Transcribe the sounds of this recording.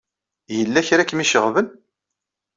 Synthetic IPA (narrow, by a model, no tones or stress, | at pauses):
jəlːæçɾækːmiʃəʁvən